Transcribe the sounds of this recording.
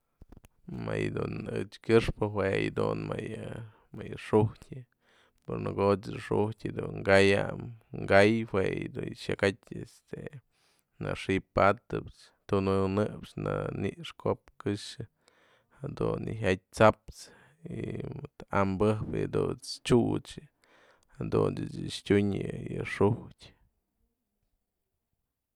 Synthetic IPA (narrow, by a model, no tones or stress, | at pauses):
majd̪unɨt͡ʃkʲɨʂpɨɦwejd̪unmajɨ | majɨʂuhtʲɨ | puɾnɨɡot͡ʃd̪ɨʂuhtʲɨd̪uŋɡajamŋɡajhwejd̪uʃakatʲest̪e | nɨʂipat̪ɨpt͡ʃ | t̪unɨnɨpt͡ʃnɨniʔʂkopkɨʂɨ | had̪unɨɦat̚ʲt͡sapt͡s | imɨt̪ambɨhpd̪ut͡st͡ʃut͡ʃɨ | had̪unɨt͡ʃɨʂtʲuɲɨjɨʂuhtʲ